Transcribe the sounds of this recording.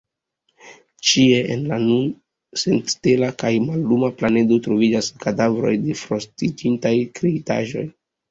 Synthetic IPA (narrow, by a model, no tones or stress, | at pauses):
t͡ʃie̞ʔenlanun | se̞nttelakajmalːumaplane̞do̞tɾo̞vid͡ʒaskadavɾo̞̰jde̞fɾo̞stid͡ʒintajkɾeita̰ʒo̞̰j